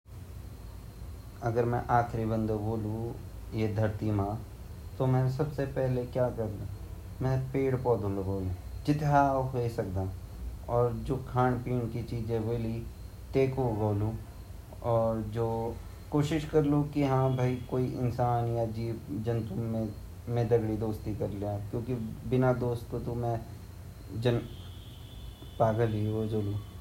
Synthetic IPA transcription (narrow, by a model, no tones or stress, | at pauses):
ɐɡəɾmɛ̰̃ʔaːkʰɾibə̃nd̪boːlũjed̪ʱɐɾt̪imãː | t̪omɛ̃ːsɐbsepɛɦlekjaːkɐɾla | mɛ̃ːpeːɽpɔːd̪olɡoːlũd͡ʒɪt̪aoɦesɐk̚d̪aːɔːɾd͡ʒoːkʰaːɳpiːɳkit͡ʃiːd͡ʒẽbeːli | t̪eːkoɡoːlũ | ɔːɾd͡ʒoː | koːʃɪʃkɐɾlukiɦãːbʱaːikoːiʔɪ̰nsaːnjad͡ʒiːpd͡ʒɐnt̪umẽ | mẽd̪ɐɡɽid̪oːst̪ikɐɾlijakjõːkibɪnad̪oːst̪kot̪omɛ̃ | d͡ʒɐn | paːɡəlioːd͡ʒoːlũː